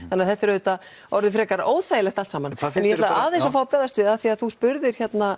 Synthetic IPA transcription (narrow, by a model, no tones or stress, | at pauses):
θãnːaðθɛht̪ːɪɾðʏt̪a | ɔɾðɪfɾɛːkaɾoːwðθaːjɪlɛxt̪alt̪saːmanɛnjɛhɛt̪lavaʔaːðejnsafaːwapɾɛðast̪vɪðaðθiaðθuspʏɾðɪɾ̥çɛt̪na